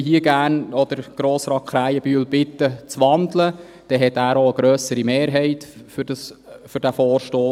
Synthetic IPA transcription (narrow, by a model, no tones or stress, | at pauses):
ɦiəɡæːrnɔd̥̪əɾɡ̥ɾoːsɾɑːt̚kʰχɾæjəbyːlbɪt̪ːət͡sʋɑnd̪lə | d̥ɛɦɛt̪æːɾoəɡ̥ɾœːsəɾimeːɾɦɛɪt̪fʏdɑsfʏɾd̥æfɔːɾʃtoː